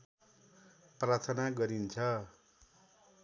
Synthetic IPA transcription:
prat̪ʰʌnaɡʌɾint͡sʰʌ

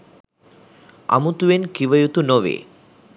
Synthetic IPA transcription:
a̰mut̪uʋenkiʋəjut̪unoʋḛː

